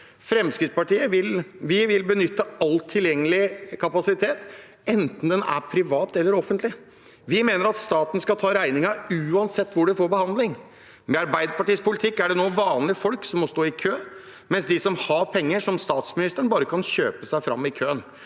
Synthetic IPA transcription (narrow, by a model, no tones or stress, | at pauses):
fɾɛmskɾɪt̪spɑʈiːəʋɪlʋɪʋɪlbənʏt̪ːəɑlːt̪ʰːɪljɛŋːəlɪkʰɑpɑsɪt̪ʰeːt̪ | ɛnt̪n̩d̪ɛnæ̰ɾpʰɾɪʋɑːt̪ɛlːəɾɔfənt̪lɪ | ʋɪmeːnəɾɑt̪st̪ɑːt̪n̩skɑt̪ʰɑːɾæɪnɪŋɑʉːɑnsɛt̪ːʋʊɖɛfoːɾbəhɑnd̪lɪŋ | mɛɑɾbæɪd̪əpɑʈiːspʰʊlɪt̪ʰɪkːæɖɛnoːʋɑːnlɪfɔlksɔmːɔst̪oːɪkʰøː | mɛnsd̪ɪsɔmhɑpʰɛŋːəʂɔmst̪ɑːt̪smɪnɪst̪əɳbɑːɾəkʰɑnɕøːpəsæɪfɾɑ̰mːɪkʰøːən